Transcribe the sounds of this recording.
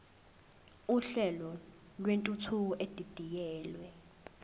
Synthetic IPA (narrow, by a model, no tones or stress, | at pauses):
uɬɛlɔ | lwentʼut͡sʰuɔʔed̥ʱid̥ʱijɛːlwɛ